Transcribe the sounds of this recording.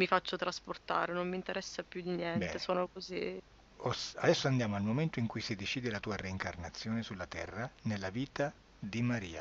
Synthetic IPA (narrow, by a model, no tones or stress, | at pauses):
mifat͡ʃːot̪ɾasport̪a̰ːɾenomːint̪eɾɛsːapjud̪injɛntɛesoːnokozi | osa̰d̪ɛsːoand̪jaːmoalmoment̪oiŋkujsid̪et͡ʃiːd̪elat̪uːareiŋkarnat̪sːjoːnesulːat̪ɛrːanelːaviːt̪a | d̪imaɾḭːa̰